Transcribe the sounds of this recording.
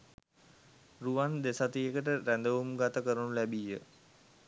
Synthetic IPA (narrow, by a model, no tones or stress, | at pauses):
ruʋand̪esat̪ijekəʈəɾænd̪əʋumɡat̪əkəɾənulæbijə